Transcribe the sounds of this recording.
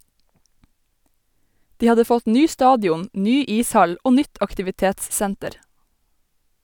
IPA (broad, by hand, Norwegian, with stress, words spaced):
ˈdiː ˈɑdə ˈfɔt ˈnyː ˈstɑːdjʊn ˈnyː ˈiːsˌhɑl ˈoː ˈnʏt ɑktɪʋɪˈteːtsˌsæntəɾ